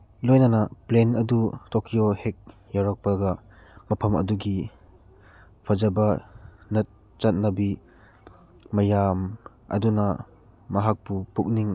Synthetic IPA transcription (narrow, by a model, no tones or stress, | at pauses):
lojnɐnɐplenɐdutokʰiohek̚ | jawɾak̚pɐɡɐ | mɐpʰɐmɐ̰duɡi | pʰɐzɐbɐnɐt̚ | t͡ʃɐt̚nɐbi | mɐjam | ɐ̰dunɐ | mɐɦak̚pupuk̚niŋ